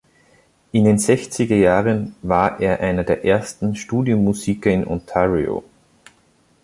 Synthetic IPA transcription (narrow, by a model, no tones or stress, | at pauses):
ʔɪndeːnzɛçt͡sɪɡɐjaːʁənvaːɐʔeːɐʔaɪnɐdeːɐʔeɐstn̩ʃtuːdjomːuziːkɐɪnʔɔ̰ntʰaʁio̰